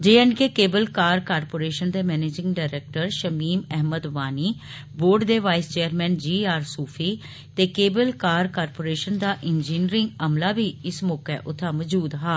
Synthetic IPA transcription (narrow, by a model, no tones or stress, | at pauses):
d͡ʒeːənkeːkeːbəlkaːɾkaːɾpoːɾeːʃənd̪eːmɛːneːd͡ʒɪ̃ŋɡɖaːɪɾeːk̚ʈəɾʃəmiːmɛɦməd̪ʋaːniː | boːɾɖd̪eːʋaːɪst͡ʃeːəɾmɛ̃ːnd͡ʒiːaːɾsuːpʰiː | t̪eːkeːbəlkaːɾkaːɾpoːɾeːʃənd̪aːʔɪnd͡ʒiːniɾɪŋɡəmlaːbiːɪsmɔːkɛ̰ːʔʊt̪ʰːãːməd͡ʒuːd̪ɦaː